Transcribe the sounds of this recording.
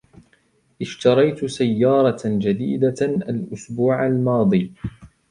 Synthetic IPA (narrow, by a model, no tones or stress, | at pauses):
ʔɪʃt̪ɑɾˤɑjt̪sajːɑːɾˤɑd͡ʒad̪ḭːd̪aʔalʔʊsbuːʕalmɑːd̪ˤiː